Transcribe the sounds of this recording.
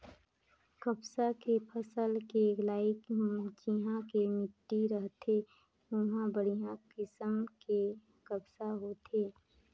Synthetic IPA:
kəbsakepʰəsəlkeɡlaːɪkɦũt͡ʃiɦãkemɪʈːiɾəɦt̪ʰe | ʊɦãbəɽijãkɪsəmke | kəbsaɦoːt̪ʰeː

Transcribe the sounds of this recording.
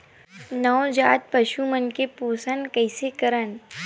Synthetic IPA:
nɔːd͡ʒaːt̪̚pɐʃumənkepoːsənkɐɪsekɐɾən

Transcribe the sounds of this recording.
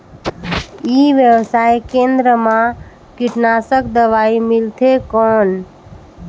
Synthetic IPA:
iʋjəwsaːekẽnd̪ɾəmã | kɪʈnaːsəkd̪əʋaːimɪlt̪ʰekɔːn

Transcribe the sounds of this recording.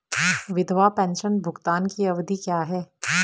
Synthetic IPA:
ʋɪd̪ʱʋapɛ̃ːnʃənbʱʊɡt̪aːnkiɐʋd̪ʱikjaːɦɛː

